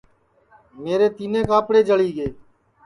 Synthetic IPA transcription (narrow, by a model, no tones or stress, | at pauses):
meːɾeːt̪iːnẽːkaːpɽeːd͡ʒəɭiːɠeː